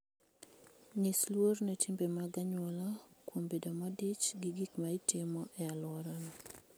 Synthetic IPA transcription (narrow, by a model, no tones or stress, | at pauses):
ɲislwornetʰimbemaɡaɲwɔlɔkwombedomadɪt͡ʃɡɪɡikmaɪtɪmɔʔɛalwɔɾɔnɔ